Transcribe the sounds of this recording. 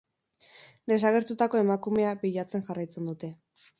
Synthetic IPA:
d̪e̞s̬aɣ̞e̞ɾt̪ut̪ako̞e̞makume̞apiʎat͡se̞nʝarajt͡se̞nd̪ut̪e̞

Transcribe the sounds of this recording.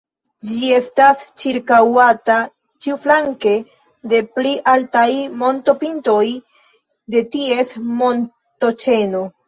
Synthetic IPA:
d͡ʒie̞stast͡ʃiɾkawata | t͡ʃiuflaŋke̞ | de̞pliʔaltajmo̞nto̞pinto̞j | de̞tie̞smo̞n | to̞t͡ʃe̞no̞

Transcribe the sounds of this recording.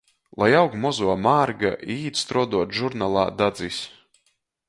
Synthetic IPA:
lˠajawkmɔzuɔmaːɾɡa̰ʔiːt̪st̪ɾɔd̪uɔt̪ʒuɾnalˠa̰ːd̪ad̪zis

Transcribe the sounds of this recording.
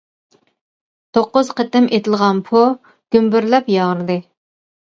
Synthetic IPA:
t̪ʰoqːʊz̥qʰət̪ɪmʔet̪ʰɪlˠʁɑnpʰu | ɡ̥ʲymbyɾlɛpjɑʁəɾɨd̪ɨ

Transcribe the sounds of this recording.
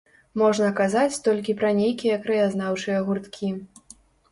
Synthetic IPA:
mɔʐnɐkazat͡sʲt̪ɔlʲkʲipɾɐnʲejkʲijɐkɾɐjaznawt͡ʂɨjɐɣurt̪kʲʰi

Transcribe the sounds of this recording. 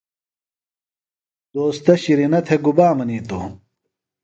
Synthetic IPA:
d̪̥oːst̪ɐɕiɾinɐt̪ʰeɡubaːmɐniːt̪o

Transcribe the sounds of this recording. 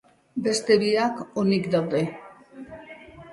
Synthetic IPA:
be̞st̪e̞βiakonikd̪awðe̞

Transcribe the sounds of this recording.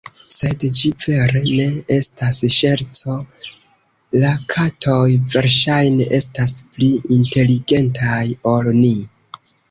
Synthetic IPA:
se̞dd͡ʒive̞ɾe̞ne̞e̞stasʃe̞ɾt͡so̞ | lakʰatʰo̞jve̞ɾʃajne̞ʔe̞staspliinte̞liɡe̞ntʰajo̞lni

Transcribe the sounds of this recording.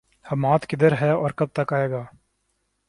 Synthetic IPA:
hɐmaːt̪kɪd̪əɾɦɛːɔːɾkɐb̚t̪ɐkaːeːɡaː

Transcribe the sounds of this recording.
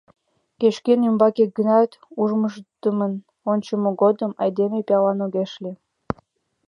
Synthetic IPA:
keʃkenymbɑkek̚ɡənɑt̪uʒməʃt̪əmən | onʲt͡ɕəmoɡod̪əmɑjd̪emepejɑlɑnoɣeʃle

